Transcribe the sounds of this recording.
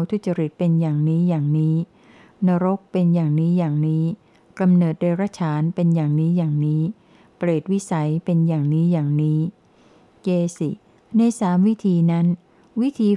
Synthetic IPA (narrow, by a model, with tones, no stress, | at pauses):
wt̪ʰu˧˩t̪̚t͡ɕa˧ɾi˨˩t̪̚pe˧njaː˨˩ŋniː˦˥jaː˨˩ŋniː˦˥ | na˧ɾo˦˥k̚pe˧njaː˨˩ŋniː˦˥jaː˨˩ŋniː˦˥ | ka˧mnɤː˨˩t̪̚deː˧ɾa˦˥t͡ɕʰaː˩˦npe˧njaː˨˩ŋniː˦˥jaː˨˩ŋniː˦˥ | pɾeː˨˩t̪̚wi˦˥sa˩˦jpe˧njaː˨˩ŋniː˦˥jaː˨˩ŋniː˦˥ | keː˧si˨˩ | na˧jsaː˩˦mwi˦˥t̪ʰiː˧na˦˥n | wi˦˥t̪ʰiː˧